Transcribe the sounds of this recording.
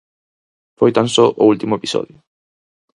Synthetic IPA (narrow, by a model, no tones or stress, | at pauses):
fojt̪ansoʔo̰ult̪imʊepisɔ̰ðjo